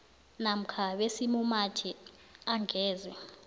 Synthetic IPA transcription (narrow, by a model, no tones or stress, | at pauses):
nam̩kʰaɓesimumatʰi | aŋɡʱɛːzɛ